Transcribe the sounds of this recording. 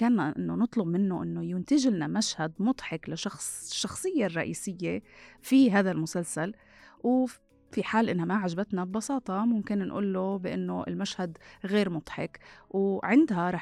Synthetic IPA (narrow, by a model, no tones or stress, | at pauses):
kaːnːaʔɪnːonɨt̪ˤlʊbmɪnːoʔɪnːojʊnt̪aʒɪlnamaʃhad̪mʊt̪ˤħɪklaʃɑxsʃːɑxsˤɨjːerˤːɑʔiːsɪjːefiɦaːðalmʊsalsal | w | fiħaːlʔɪnhamaʕaʒabat̪nabbɑsɑːt̪ˤɑmʊmkɪnnʔṵːlːobɪʔɪnːoɪ̰lmaʃhad̪ɣeːɾmʊt̪ˤħɪkwʕɪnd̪ɦaɾˤɑː